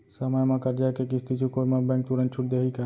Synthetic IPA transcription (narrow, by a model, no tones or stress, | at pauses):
səmajmãkɐɾd͡ʒaːjkekɪst̪it͡ʃʰukoːimãbɛ̃ːŋk̚t̪uɾənt͡ʃʰuʈ̚d̪eːɦika